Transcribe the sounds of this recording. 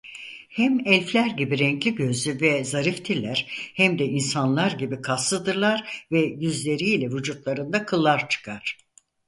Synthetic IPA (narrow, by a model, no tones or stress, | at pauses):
hæmɛlʲflʲæɾɟibiɾɛɲclʲiɟø̞zyvɛzaɾift̪ʰiɾlʲæɾ̥hæmd̪ɛʔinsanlˠaɾɟibikʰasˠɯd̪ɯɾlˠaɾvɛjyzlʲe̞ɾiːlʲɛvud͡ʒut̪lˠaɾɯnd̪akʰɯlˠːaɾt͡ʃʰɯ̥kʰaɾ̝̥